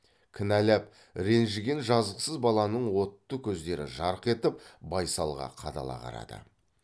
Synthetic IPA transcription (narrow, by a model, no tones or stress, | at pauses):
kʲʰɪnælæp̚ | ɾe̞nʒɪɡʲenʒɑzəsəzbɑlˠɑnəɴwo̞t̪ːəkʲʰɵzd̪e̞ɾɪ̰ʒɑɾəqe̞t̪ɪp̚bɑjsɑlˠʁɑ̰qʰɑd̪ɑ̰lˠɑ̰ʁɑ̰ɾɑ̰d̪̥ə̰